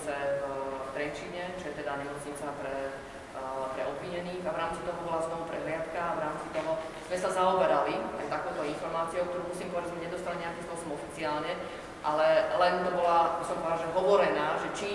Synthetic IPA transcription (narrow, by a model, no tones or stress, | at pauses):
t͡sɛvft̪ɾɛt͡ʃiɲɛʒɛt̪ɛd̪aɲɛmɔt͡sɲit͡sapɾɛ | pɾɛɔbʋiɲɛniːɣaʋɾaːmt͡sit̪ɔɦɔbɔlaznɔʋupɾɛɦlɪat̪kaːʋɾaːmt͡sit̪ɔɦɔ | z̥mɛsazaɔbɛɾalia̰jt̪akɔʊt̪ɔinfɔɾmaːt͡siɔʊkt̪ɔɾuːmusiːmpɔʋaɛʒɛzmɛɲɛd̪ɔst̪aliɲɛakiːmspʊɔsɔmɔfit͡siaːlɲɛ | ʔalɛlɛnt̪ɔbɔlabisɔmvaːʒɛɦɔʋɔɾɛnaːʒɛt͡ʃi